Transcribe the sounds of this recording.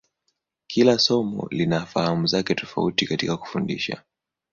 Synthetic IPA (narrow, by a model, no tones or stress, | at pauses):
kʰilasɔmɔ̰linafahamuzakɛtɔfa̰utikatikaku̥fundḭʃa̰